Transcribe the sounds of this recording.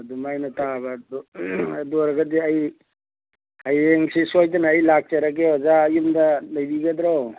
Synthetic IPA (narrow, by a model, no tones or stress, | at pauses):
ɐdumajnatabɐdɐdoɾaɡɐdiɐj | ɐjeŋsisojtanaːjlak̚t͡ʃaɾakeɔzajumdɐlɐjbiɡɐdɾow